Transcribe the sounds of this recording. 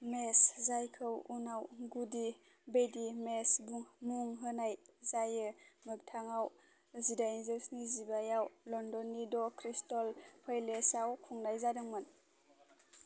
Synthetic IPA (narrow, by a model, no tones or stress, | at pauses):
meszajkʰɯwunawɡudi | bedimesbuŋmuŋɦɯnajzajɯmɯk̚tʰaŋaw | zidainzeksnizibajawlɔndɔnidɔkʰɾistɔlpʰajlesawkʰuŋnajzadɯŋmɯn